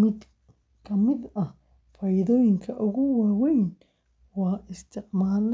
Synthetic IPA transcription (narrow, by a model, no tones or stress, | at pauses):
kʰɐmɪd̪ɐh | fɐjɪðɔːjɪŋkʰɐʔʊɣʊwaːwɛjn | wɑːɪst̪ʰɪħmaːl